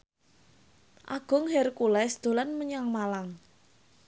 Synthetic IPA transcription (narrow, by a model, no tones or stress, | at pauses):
ʔaɡ̥ʊ̤ŋɦɛrkulɛsd̪̥o̤lanməɲaŋmalaŋ